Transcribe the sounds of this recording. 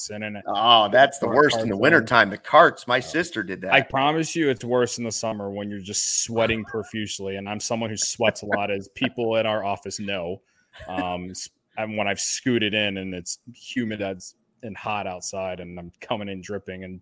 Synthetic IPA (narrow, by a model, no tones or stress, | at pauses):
sɪ̃nɪ̃noðætsðəwɜ˞stn̩ðəwɪ̃ɾ̃ə˞tʰãɪ̃mðɨkʰɑɹtsmaɪsɪstə˞dɨd̪̚ðæaɪpʰɹ̥ɑmɨsjɨɨtswɜ˞sn̩ðəsʌmə˞wə̃njə˞d͡ʒʌstswɛɾɪ̃ŋpʰə˞fjʉsliɨ̃nãɪ̃msʌ̃mwʌ̃nhʉswɛtsəlɔɾɨz̥pʰipl̩ˠɨ̃ɾ̃aʊə˞ɔfɨsnoʊ | ʌ̃ms | wə̃ɾ̃aɪv̥skʉɾɨɾɪ̃nɨ̃nɪtshjʉmɨdɨts | ɨ̃nhɑɾaʊtsaɪɾɨ̃nãɪ̃mkʰʌmɪ̃ŋɨ̃ndɹɪpɪ̃ŋɨ̃n